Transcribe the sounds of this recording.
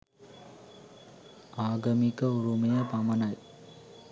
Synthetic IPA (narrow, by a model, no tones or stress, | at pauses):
aːɡɐmikɐuɾumɐjɐpɐmɐnaj